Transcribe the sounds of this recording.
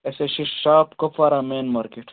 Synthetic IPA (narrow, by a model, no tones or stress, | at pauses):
eseʃiʃaːpkɐfaːɾameːnmaɾkeʈ